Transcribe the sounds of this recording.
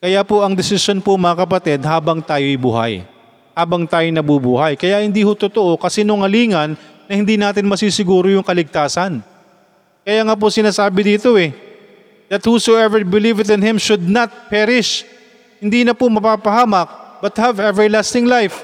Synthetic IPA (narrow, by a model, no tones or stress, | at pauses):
kɐjapoʔɐŋd̪ɛsɪsjo̞npomɐɐkɐpɐt̪ɛd̪̚haːbɐŋt̪aːjoʔjbṵːha̰j | haːbɐŋt̪aːjonɐbubuːhɐjkɐjaʔhɪnd̪iːhot̪ot̪oʔo̞kɐsɛnoŋɐliːŋɐnː | ɐhɪnd̪iːnaːt̪̬ɪnmɐsisɪɡuːɾojʊŋkɐlɪɡ̚t̪aːsɐn | kɐjaŋaːp̬ʊsɪnaːsaːbɪd̪iːt̪o̞ɛ | d̪ɐt̪̚husoɛvɛɹbɪlivɪt̪ɪ̃nhɪ̃mʃʊd̪̚nɐt̪̚pɛɾɪʃ | hɪnd̪iːnɐpomɐpaːpɐhaːmɐk̚bɐt̪̚hɐvɛvɛɹlast̪ɪŋlajf